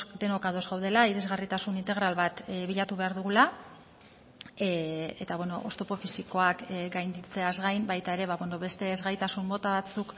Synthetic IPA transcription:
d̪e̞nokaðo̞zɣawð̞e̞laiɾe̞zɣarit̪asunint̪eɣɾalβat̪βiʎat̪uβe̞aɾðuɣula | e̞t̪aβweno̞ʔost̪o̞po̞fisiko̞akɡajnd̪it͡se̞azɣajmbajt̪ae̞ɾe̞βaβweno̞βe̞st̪e̞ːzɣajt̪asumːo̞t̪aβat͡suk

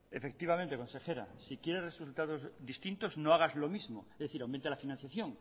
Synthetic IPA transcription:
efek̚t̪iβ̞amẽnt̪eko̞nse̞xe̞ɾa̰sikjeɾeresult̪aðo̞zðist̪ĩnt̪oznoaɣ̞azlo̞mizmoezðeθiɾawment̪elafinãn̟θjaθjõ̞ŋ

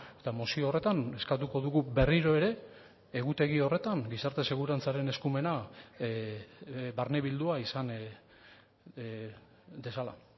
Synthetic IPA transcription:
e̞t̪amosioore̞t̪ane̞skat̪uko̞ðuɣube̞riɾo̞e̞ɾe̞ː | ɣut̪e̞ɣ̞io̞re̞t̪aŋɡisaɾt̪e̞se̞ɣuɾant͡saɾe̞ne̞skume̞na | baɾne̞βild̪uaisan | d̪e̞sala̰

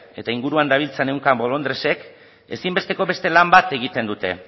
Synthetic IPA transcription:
e̞t̪aiŋɡuɾuand̪aβ̞ilt͡se̞ne̞wŋkambo̞lo̞nd̪ɾese̞k | e̞simbe̞st̪e̞ko̞βe̞st̪e̞lambat̪e̞ɣ̞it̪e̞nd̪ut̪e̞̰

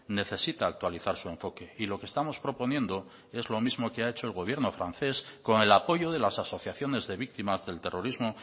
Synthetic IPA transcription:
ne̞θe̞sit̪aːk̚t̪waliθaɾsue̞ɱfo̞ke̞ilo̞kest̪amo̞spɾo̞po̞njẽ̞nd̪o̞ | e̞zlo̞mizmo̞keae̞t͡ʃo̞e̞lɣo̞β̞je̞ɾno̞fɾan̟θe̞sko̞ŋe̞lapo̞ʝo̞ð̞e̞lasaso̞θjaθjo̞ne̞zðe̞βik̚t̪imazðe̞lt̪e̞rʔo̞ɾizmo̞

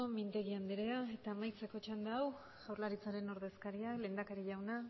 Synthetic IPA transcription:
omint̪e̞ɣiand̪eɾeae̞t̪aːmajt͡se̞ko̞t͡ʃand̪eaw | ɣawɾlaɾit͡saɾe̞no̞ɾðe̞skaɾiale̞ːnd̪akaɾiʝawna

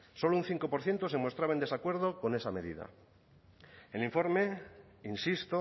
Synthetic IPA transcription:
so̞loun̟θiŋko̞po̞ɾθje̞nt̪ose̞mo̞st̪ɾaβaend̪e̞sakwe̞ɾð̞o̞ko̞ne̞same̞ðḭða̰ | eliɱfo̞ɾme | insist̪o

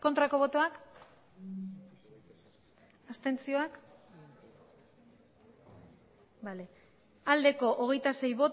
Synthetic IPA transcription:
ko̞nt̪ɾako̞β̞o̞t̪o̞ak | ast̪ent͡sio̞ak | bale | ald̪e̞ko̞ʔoɣ̞e̞jt̪ase̞jβo̞t̪

